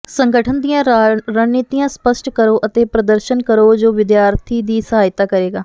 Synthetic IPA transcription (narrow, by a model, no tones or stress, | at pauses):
səŋɡəʈʰənd̪ijãːɾəniːt̪iːjãːspəʃʈkəɾoːʔət̪eːpɾəd̪əɾʃənkəɾoːd͡ʒoːʋɪd̪jaːɾt̪ʰiːd̪iːsəɦaːjt̪aːkəɾeːɡaː